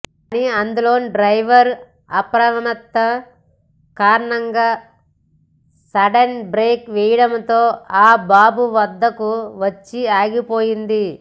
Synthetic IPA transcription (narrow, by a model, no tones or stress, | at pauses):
kːniɐnd̪ulo̞ːnɖɾɐjʋɐɾ | ɐpɾɐʋɐnɐt̪ːɐ | kaːɾɐɳɐŋɡaː | sɐɖɐnbɾeːkʋɛjɐɽɐmt̪o̞ːaːbaːbuʋɐd̪ːɐkuʋɐt͡ʃːiaːɡipo̞ːjind̪i